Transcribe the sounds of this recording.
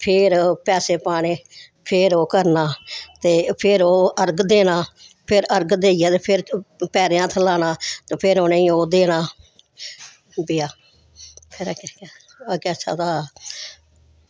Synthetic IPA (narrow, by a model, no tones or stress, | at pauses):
pʰɪɾpɛːseːpaːɽ̃eː | pʰɪɾoːkəɾnaːt̪eːpʰɪɾoːʔəɾɡd̪eːñaːpʰɪɾəɾɡd̪eːɪjaːt̪eːpʰɪɾpɛːɾejãːt̪ʰəlaːñãːt̪eːpʰɪɾoːnẽːiːoːd̪eːɽ̃aː | bɪjaː | pʰɪɾkː | keəːʃʰa̰ːt̪aː